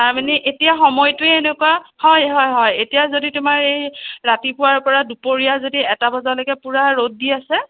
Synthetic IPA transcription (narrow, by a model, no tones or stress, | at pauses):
taɹmanɛʔetijaxɔmɔjtʊeenekuahɔjɦɔjɦɔjetijazoditʊmaɹejɹatipʊwaɹpɔɹadupoɹijazodiɛtabɔzalojɡɛpuɹaɹodːiasɛ